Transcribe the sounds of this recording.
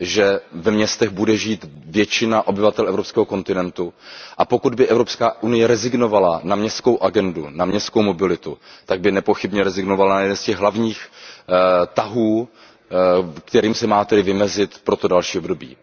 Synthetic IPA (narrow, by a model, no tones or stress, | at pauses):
ʒɛvɛmɲɛst̪ɛɣbudɛʒiːt̪vjɛt͡ʃɪnaʔo̞bɪvat̪ɛlʔɛvɾopskɛːɦoko̞nt̪ɪnɛnt̪uʔapo̞kud̪bɪʔɛvɾo̞pskaːʔunɪjɛɾɛzɪɡno̞valanamɲɛst̪ko̞wʔaɡɛndunamɲɛst̪kowmo̞bɪlɪt̪ut̪aɡ̚bɪnɛpo̞xɪbɲɛɾɛzɪɡnovalanajɛdɛnnscɛɣɦlavɲiːx | t̪aɦuː | kt̪ɛɾiːmsɛmaːt̪ɛdɪvɪmɛzɪt̪pɾo̞t̪o̞dalʃiːobdo̞bḭː